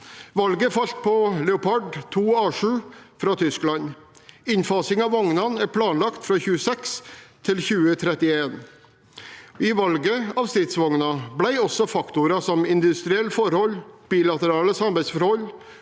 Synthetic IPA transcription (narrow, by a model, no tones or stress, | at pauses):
ʋɑlɡəfɑlt̪̚pʰɔlɛʊpʰɑɖt̪ʰuːɑːʂʉːfɾɑːt̪ʰʏsklɑɲ | ɪɲfɑːsɪŋɑʋɑŋnɑnæɾpʰlɑːnlɑkt̪fɾɑːçʉːəsɛkst̪ʰɪlçʉːət̪ʰɾɛt̪ɪeːn | ɪʋɑlɡəɑʋst̪ɾɪt̪sʋɔŋnɑblæɪɔsɔfɑkt̪ʊɾɑsɔmɪnd̪ʉst̪ɾɪɛlːfɔɾhɔlb̥iːlɑt̪əɾɑːləsɑmbæɪsfɔɾhɔl